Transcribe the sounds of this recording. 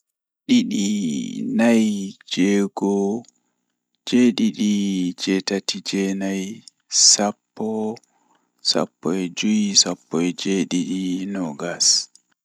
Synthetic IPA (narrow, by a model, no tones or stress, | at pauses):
ɗiɗinajd͡ʒɛːɡɔ | d͡ʒɛɗiɗid͡ʒɛtatid͡ʒɛnaj | sapːɔ | sa̰pːɔɛd͡ʒujisapːɔɛd͡ʒeɗiɗinɔɡas